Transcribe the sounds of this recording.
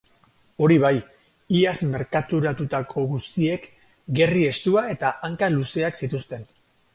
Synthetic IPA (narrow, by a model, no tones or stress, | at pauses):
o̞ɾiβaj | iasme̞ɾkat̪uɾat̪ut̪akʰo̞ɣust̪ie̞k | ɡe̞rie̞st̪uae̞t̪aʔaŋkaluse̞aksit̪ust̪e̞n